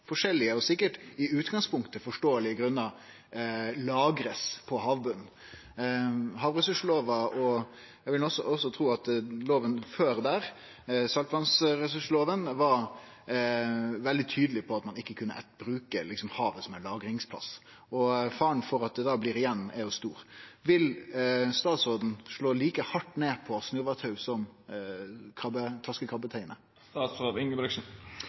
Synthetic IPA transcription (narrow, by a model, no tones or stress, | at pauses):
fɔʂɛlːɪəɔsɪkːəʈɪʉːt̪ɡɑŋspʰʊŋkt̪əfɔʂʈoːəlɪɡɾʉnːɑ | lɑːɡɾəspʰɔɦɑːʋbʉnː | ɦɑːʋɾɛsʉʂloːʋɑɔ | æʋɪlɔsɔɔsːɔt̪ʰɾuːɑt̪loːʋənføːɾd̪æːɾ | sɑlt̪ʋɑnsɾɛsʉʂloːʋənʋɑɾ | ʋɛld̪ɪt̪ʰyːd̪əlɪpʰɔɑt̪mɑnɪkːəkʰʉnːə̰ʔɛbɾʉːkəlɪksɔmhɑːʋəsɔmɛlɑːɡɾɪŋspʰlɑ̰s | ɔfɑːəɳfɔɾɑt̪̚d̪ɛd̪ɑːbliːɾɪjɛnːæ̰ɾjʊst̪uːɾʋɪlst̪ɑːt̪soːd̪n̩ʂlɭoːliːkəhɑʈːneːpʰɔsnʉɾʋɑt̪ʰhɑʉsɔm | kʰɑbət̪ʰɑskəkʰʁɑbːət̪ʰæɪnə | t̪ɑːt̪soːʋɪŋəbɾʏksn̩